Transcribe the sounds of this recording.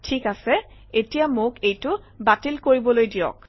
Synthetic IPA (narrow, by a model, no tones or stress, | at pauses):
tʰikasɛ | etijamʊkejtʊ | batilkoɹibɔlojdijɔ̰k̚